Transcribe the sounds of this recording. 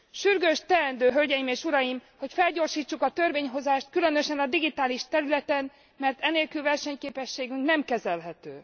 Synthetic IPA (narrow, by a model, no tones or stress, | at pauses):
ʃyrɡøʃt̪ɛɛnd̪øːɦølɟɛjimeːʃuɾɒjimho̞cfɛlɟo̞rʃiːt͡ʃːukɒt̪ø̞rveːɲɦo̞zaːʃt̪̚kylø̞n̪ø̞ʃɛnɒd̪iɡit̪aːliʃt̪ɛɾylɛt̪ɛn | mɛrt̪ɛneːlkylvɛrʃɛɲkeːpɛʃːeːɡyŋknɛmkɛzɛlɦɛt̪øː